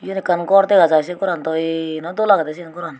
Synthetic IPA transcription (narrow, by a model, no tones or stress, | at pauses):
junikankoɾt̪eɡat͡ʃas̬ekuɾant̪oinõt̪ulakat̪es̬inkuɾan